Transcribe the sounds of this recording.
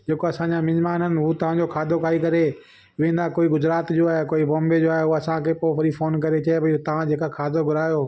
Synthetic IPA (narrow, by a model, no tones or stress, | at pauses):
d͡ʑeːkoɐsãɲd͡ʑamɪ̃ɲmaːnənɪ̆ɦut̪ɐʋ̤ãd͡ʑokʰaːd̪ʱokaːikɐɾe | ʋẽːn̆d̪akoːiɡʊzɾaːt̪d͡ʑoːaːɦekoːibɔ̃ːmbed͡ʑoːaːɦeɐsãkʰeːpoːpɐɾifoːnk̬ɐɾet͡ɕɐebʱɐiut̪ɐʋ̤ãd͡ʑʱeːkakʰaːd̪ʱoɡʱʊɾaːjoː